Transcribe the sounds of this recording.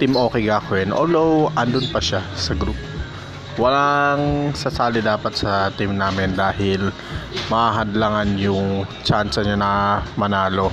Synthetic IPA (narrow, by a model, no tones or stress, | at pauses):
t̪imʔo̞ːkɛjɡaːkʊɛnʔo̰ld̪owʔɐnd̪ʊnpɐʃasɐɡɾuːpo | wɐlaŋsɐsaːlɪd̪aːpɐt̪̚sɐt̪imnaːmɪnd̪aːhɪl | mɐhaːɦɐnd̪laŋanjʊŋt͡ʃansɐɲanɐmɐnaːlo̞